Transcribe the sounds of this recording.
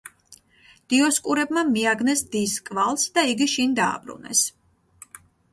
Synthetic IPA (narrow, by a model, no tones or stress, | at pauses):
d̪̥iɔskʼuɾɛbmamiaɡnɛsd̪iskʼvalˠsd̪aiɡiʃind̪a̰ːbɾṵnɛ̰s